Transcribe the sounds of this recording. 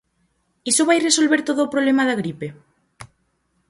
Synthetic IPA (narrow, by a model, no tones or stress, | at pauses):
isoβajresolβeɾt̪oðoːpɾoβlemaðaɣ̞ɾipe